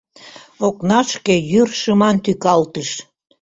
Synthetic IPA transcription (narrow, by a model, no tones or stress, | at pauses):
oknɑʃkejyrʃəmɑnt̪ykɑlt̪əʃ